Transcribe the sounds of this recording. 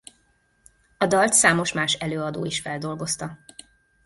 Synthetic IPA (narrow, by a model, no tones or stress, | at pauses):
ɒd̪ɒlt̪saːmo̞ʃmaːʃɛløːɒd̪o̰ːiʃfɛld̪o̞lɡo̞st̪ɒ